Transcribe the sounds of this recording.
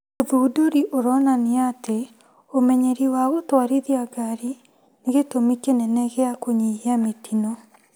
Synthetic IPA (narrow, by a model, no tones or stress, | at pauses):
oðudoɾiʔoɾɔnaniate | omɛɲeɾiwaɣotwaɾiðiaɡaɾi | neɣetomikenɛnɛɣeakoɲiiametinɔ